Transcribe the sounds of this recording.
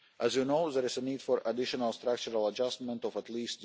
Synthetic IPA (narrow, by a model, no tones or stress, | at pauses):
ʔæzjunoʊðɛɹɪzəniːd̥fɔɹʔadɪʃɔnəlˠst̪ɾak̚t͡ʃuɹalˠad͡ʒastmɛ̃ntɔfətliːst̪